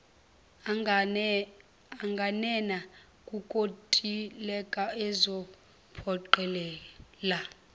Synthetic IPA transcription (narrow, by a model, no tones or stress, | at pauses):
aŋɡʱanɛna | kʼukʼotʼilɛkʼaɛzɔ | pʰɔǃɛlɛːla